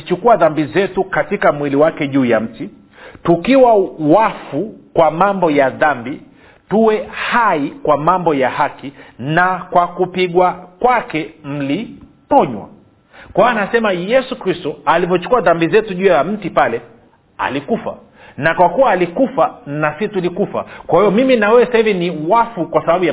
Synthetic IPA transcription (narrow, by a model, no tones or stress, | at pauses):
t͡ʃukuaðambizɛtukatikamwiliwakɛʄuːjam̩ti | tukiwawafukwamambɔjaðambi | tuwɛhaikwamambɔjahakinakwakupiɠwakwakɛm̩lipɔɲwa̰ | kwaaːnasɛmajɛsukɾistɔalivɔt͡ʃu̥kuaðambizɛtuʄujaam̩tipalɛ | a̰likufa̰ | nakwakuwaːlikufanasitulikufa̰kwahijɔmiminawɛɛsaiviniwafukwasaɓaɓuja